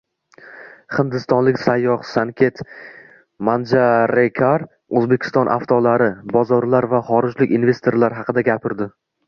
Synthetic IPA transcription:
χɪnd̪ɪst̪ɒnlɪkʲsajːɒχsaŋkʲʰe̞t̪ | mand͡ʒaɾekʲʰaɾ | ɵzbe̞kʲɪ̥st̪ɒnʔa̰ft̪ʰɒlaɾɪbɒzɒɾlaɾvaχɒɾɪd͡ʒlɪkʲinve̞st̪ʰe̞ɾlaɾɦɑqʰɨd̪aɡʲapʰɪɾd̪ɪ

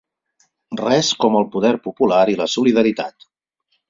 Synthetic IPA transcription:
rɛskɔməlˠpuðɛɾpupulaɾiləsuliðəɾit̪a̰t̪

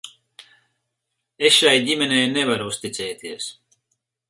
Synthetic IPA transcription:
esʃajd̪ʲimʲenɛjnevaɾust̪it̪sɛːt̪iəs

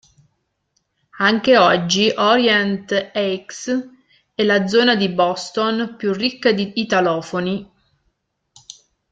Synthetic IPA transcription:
aŋk̟eɔd͡ʒːiʔɔɾjɛnt̪ɛks | ɛlad̪zɔːnad̪ibɔst̪onpjurːikːad̪iːt̪alɔːfoni

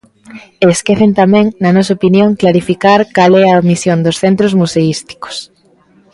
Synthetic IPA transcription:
eskeθent̪amɛ̃ŋnɐnɔsɐopinjõŋklaɾifikaɾkalɛɐomisjond̪osθent̪ɾozmuseist̪i̥ko̥s

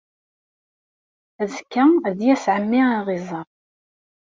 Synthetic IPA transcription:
əzkːæðjæsʕəmːɪaʁizˤɑ

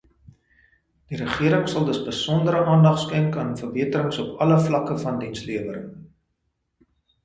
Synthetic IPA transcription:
d̥iɾəχiəɾəŋsɐlˠdəsbəsɔndəɾəʔɑːndɐχtskɛŋkɑːnfərbiətəɾəŋsɔpɐləflɐkəfɐndinsliəvəɾə̰ŋ

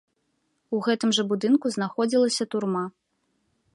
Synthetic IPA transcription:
uɣɛt̪ɨmʐɐbud̪ɨnkuznaxɔd͡zʲilˠɐsʲɐt̪urma

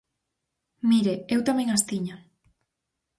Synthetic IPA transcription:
miɾeewt̪amẽŋast̪iɲa

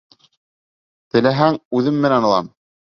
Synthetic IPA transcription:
t̪ɘ̆læɦæŋʉðɘmːɘ̆nænŏlˠɑ̰m

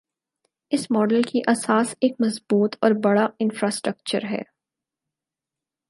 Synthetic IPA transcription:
ɪsmɔːɖəlkiʔɐsaːseːk̚mɐzbuːt̪ʰɔːɾbɐɽaɪ̃nfɾaːsʈɾək̚t͡ʃəɾɦɛ̰ː

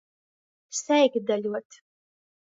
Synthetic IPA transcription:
sɛjɡd̪alʲuɔt̪

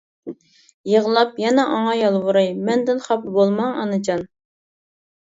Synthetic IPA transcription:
jəʁəlˠɑpjɛnɛʔɑŋɑjɑlˠvuɾɑjmɛnd̪ɪnχɑpbolˠmɑŋɑ̰nɨt͡ʃʰɑn

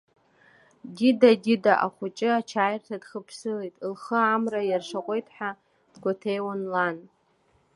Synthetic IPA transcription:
didadidaʔa̰χʷʊt͡ʃʼɪat͡ʃʰaːjrtʰadχəpʰsɨlejtʼlχəamrajarʂaqʷʼe̞jtʰʼħʷᶣa | d̥ɡʷatʰejwanlan

